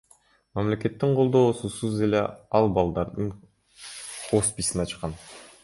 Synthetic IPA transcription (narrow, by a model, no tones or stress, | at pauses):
mamle̞ke̞t̪ːiɴqʰo̞lˠd̪o̞ːsusuze̞le̞ɑlˠbɑlˠd̪ɑɾd̪ɯɴ | ospʲisinɑt͡ʃqɑn